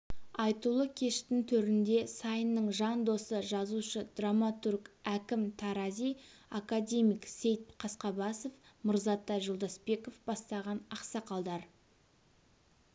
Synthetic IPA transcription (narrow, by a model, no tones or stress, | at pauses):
ɑjt̪ulˠəkʲʰe̞ʃt̪ɪnt̪ʰɵɾɪnd̪e̞sɑjənːəɴʒɑnd̪o̞səʒɑzuʃəd̪ramat̪urkækʲɪmt̪ʰɑɾɑzijakad̪ʲe̞mijkse̞jt̪̚qʰɑsqɑbɑsofmʊɾzɑt̪ːɑʒəlˠd̪ɑsbe̞kofbɑst̪ɑʁɑnɑqsɑqɑlˠd̪ɑɾ